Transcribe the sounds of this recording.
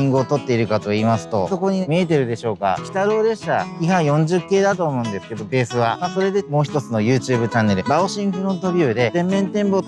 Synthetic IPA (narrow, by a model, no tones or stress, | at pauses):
ĩŋɡɯot̪o̞t̪ːe̞iɾɯ̟kat̪o̞iːmasɨ̥t̪o̞so̞ko̞ɲ̟imʲie̞t̪̬e̞ɾɯ̟d̪e̞ɕo̞ːka̰kʲi̥t̪aɾo̞ːd̪e̞ɕaçʲiɦãɰjõ̞ɲ̟d͡ʑɨkːe̞ːd̪at̪o̞ːmo̞ɯ̃nd̪e̞sɨ̥ke̞d̪o̞be̞ːsɨβaaso̞ɾe̞d̪e̞mo̞ːçi̥t̪o̞t͡sɨno̞jɯ̟ːt͡ɕɨːbɯ̟t͡ɕanːe̞ɾɯ̟baoɕĩŋ̃ɸɯ̟ɾõ̞nt̪o̞bʲɯ̟ːd̪e̞t̪ẽ̞mːẽ̞nt̪ẽ̞mbo̞